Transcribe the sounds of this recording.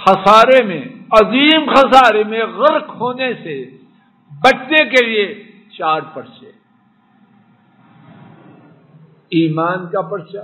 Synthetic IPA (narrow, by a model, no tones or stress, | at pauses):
xɐsaːɾemẽɐziːmxɐsaːɾemẽɣɐlkhoːnese | bɐʈnekelie | t͡ʃaːɾpɐɾt͡ʃeː | iːmaːnkapɐɾt͡ʃa